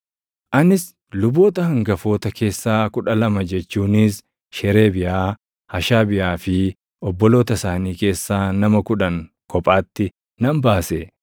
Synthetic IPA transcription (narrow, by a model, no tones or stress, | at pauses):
ʔɐnɪs | lʊbo̞ːt̪ɐhɐŋɡɐfo̞ːt̪ɐke̞ːsːaːkʊᶑɐlɐmɐd͡ʒɛt͡ʃːuːnɪs | ʃɛɾe̞ːbɪjʔaː | hɐʃaːbɪʔaːfɪ | ɔbːɔlo̞ːt̪ɐsaːniːke̞ːsːaːnɐmɐkʊᶑɐŋ | kɔpʼaːt̪ːɪ | nɐmbaːse